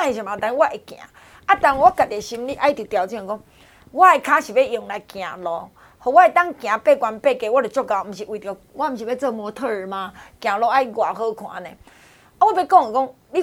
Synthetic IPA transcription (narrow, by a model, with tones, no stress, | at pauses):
ẽ˨ɕa˨mã˨t̪ã˧˦wa˦ʔe˨kj̃ã̰˨ | a˦t̪a˧ŋ˧wa˦ka˨t̪e˨ɕi˧mli˦ʔa˧˦i˦t̪ju˨t̪ja˧˨wt͡sĩ˧˨kɔ˦ŋ | wa˦˨e˧kʰã˦ɕi˨˩be˦ʔjo˧˨ŋnã˧˨kj̃ã̰˨lɔ˨ | ho˨wa˦e˧t̪a˦ŋkj̃ã˨pe˦˨kwa˧nm˧pe˦˧˨ke˧˨wa˦du˨t͡ɕɔ˦ɡa˧˨˧m̩˨˧˨ɕi˨ʔwi˨t̪jo˨ | wa˦m̩˧˨ɕ̬i˨be˦t͡sə˧˨mɔ˧t̪ʰə˦˧˨mã˧kj̃ã˨lɔ˧˦ʔa˦i˦ɡwa˨ɦə˦˧kʰw̃ã̰˨˦nẽ˨ | a˦we˦be˦˨kɔ˥˧˨ŋe˨kɔ˦ŋ | li˦